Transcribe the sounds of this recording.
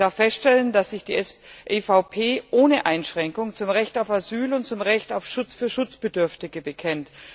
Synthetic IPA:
d̥aɐfːɛstʃtɛləndasz̥ɪçd̥iːʔefaʊpʰeːʔoːnəʔaɪnʃʁ̥ɛŋkʊŋt͡sʊmʁɛçtaʊfazyːlʊnt̚t͡sʊmʁɛçtaʊfʃʊt͡sfyːɐʃʊt͡sb̥ədʏɐftɪɡəbəkʰɛnt

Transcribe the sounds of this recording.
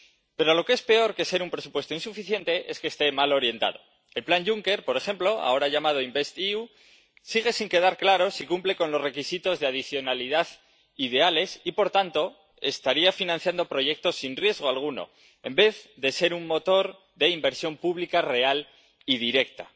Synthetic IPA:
pe̞ɾoalo̞kee̞spe̞o̞ɾke̞se̞ɾumpɾe̞supwe̞st̪oinsufiθje̞nt̪e̞ʔe̞skeːst̪e̞malo̞ɾje̞nt̪a̰ðo̞ | elplanʝuŋke̞ɾpo̞ɾe̞xe̞mplo̞a̰o̞ɾaʝamað̞o̞imbest̪iu | siɣ̞e̞siŋke̞ð̞aɾklaɾo̞sikumple̞ko̞nlo̞zre̞kisit̪o̞zðeað̞iθjo̞naliðað | iðe̞ale̞sipo̞ɾt̪ant̪o̞ | e̞̰st̪aɾiafinãnθjand̪o̞pɾo̞ʝe̞k̚t̪o̞sinrje̞zɣ̞o̞alɣ̞uno̞̰ | e̞̰mbe̞ððe̞se̞ɾuŋmo̞t̪o̞ɾ | ðe̞imbe̞ɾsjo̞mpuβlikare̞al | ið̞iɾe̞kt̪a

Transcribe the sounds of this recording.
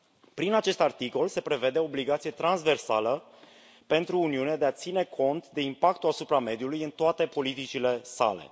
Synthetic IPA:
pɾinat͡ʃe̞st̪art̪iko̞lse̞pɾe̞ve̞d̪e̞o̞ːbliɡat̪sije̞t̪ɾanzve̞rsa̰lə | pe̞nt̪ɾuːniunead̪e̞at̪sine̞kʰo̞nt̪d̪e̞impakt̪uasupɾame̞d̪ijulujɨnt̪oat̪e̞po̞lit̪it͡ʃile̞sa̰le̞̰

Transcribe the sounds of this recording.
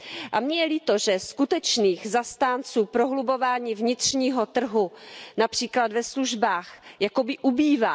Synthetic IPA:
ʔamɲɛjɛlit̪oʒɛskut̪ɛt͡ʃniːxzast̪aːnt͡suːpɾoɦlubo̞vaːɲiːvɲɪt̪r̝̥ɲiːɦo̞t̪r̩ɦunapr̝̥iːklad̪vɛsluʒbaːxjako̞bɪʔubiːvaː

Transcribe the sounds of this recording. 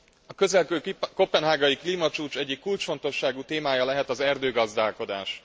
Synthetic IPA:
ɒkø̞zɛlkøːko̞pɛnɦaːɡɒjikliːmɒt͡ʃuːt͡ʃɛɟːikːult͡ʃfo̞nt̪o̞ʃːaːɡut̪eːmaːjɒlɛɦɛt̪ɒzɛrd̪øːɡɒzd̪aːlko̞d̪a̰ːʃ

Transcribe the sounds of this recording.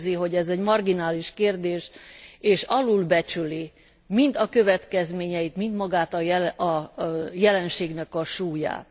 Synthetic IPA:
ziɦo̞ɟɛzɛɟmɒrɡinaːliʃkeːrd̪eːʃeːʃɒlulbɛt͡ʃyli | mind̪ɒkø̞vɛt̪kɛzmeːɲɛjit̪mind̪mɒɡaːt̪ɒɒjɛlɛnʃeːɡnɛkɒʃuːja̰ːt̪

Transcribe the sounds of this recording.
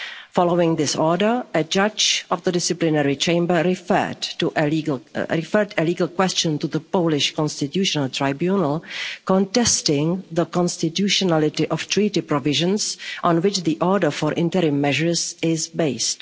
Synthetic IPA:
fɔloʊɪ̃ŋðɪsɔɹdəɹʔəd͡ʒʌd͡ʒɔvðədɪsɪplɪnɛɹit͡ʃẽɪ̃mbə˞ɹɪfə̰˞tuʔ | ɹɪfəɹdəliːɡəlˠkwɛst͡ʃə̃ntuðəpoʊlɪʃkɔ̃nstɪtjuːʃɔnəlˠtʰɹaɪbjunəlˠkɔ̃ntɛstɪ̃ŋðəkɔ̃nstɪtjuʃɔnalɪtɪʔɔftɹitɪpɹɔvɪʒə̃nsʔɔ̃nwɪt͡ʃðiʔɔɹdəɹfɔɹʔɪ̃ntəɾĩmːɛʒəɹzɪzbeɪst

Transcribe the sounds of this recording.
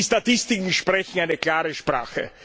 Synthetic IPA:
statɪstɪkŋ̩ʃpʁɛçn̩aɪnəklaːʁəʃpʁ̥a̰ːxə̰

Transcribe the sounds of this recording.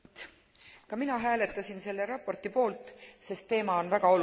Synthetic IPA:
t̪ | kɑminɑɦæːle̞t̪ˑːɑsʲinse̞lːe̞ɾɑpːo̞rt̪ipo̞ːlt̪ːˑse̞st̪ːe̞ːmɑo̞nvæɡ̥ɑo̞l

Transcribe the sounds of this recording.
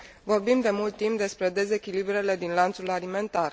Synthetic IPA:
vo̞rbimd̪e̞mult̪ːimp̚d̪e̞spɾe̞d̪e̞ze̞kʲilibɾe̞le̞d̪inlant̪sulalime̞nt̪ar

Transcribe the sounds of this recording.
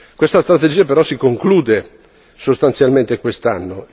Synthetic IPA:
kwest̪ast̪ɾat̪ed͡ʒiːapeɾɔsikoŋkluːd̪e | sost̪ansjalment̪ekwest̪anːo

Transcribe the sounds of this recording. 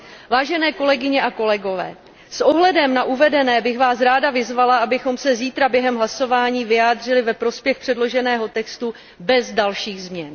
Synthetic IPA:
vaːʒɛnɛːko̞lɛɡɪɲɛʔako̞lɛɡo̞vɛ̰ː | sʔo̞ɦlɛdɛmnaʔuvɛdɛnɛːbɪxvaːsɾaːdavɪzvalaʔabɪxo̞msɛziːt̪ɾabjɛɦɛmɦlaso̞vaːɲiːvɪjaːd̪r̝ɪlɪvɛpɾo̞spjɛxpr̝̥ɛdlo̞ʒɛnɛːɦo̞t̪ɛkst̪u | bɛzdalʃiːɣzmɲɛn

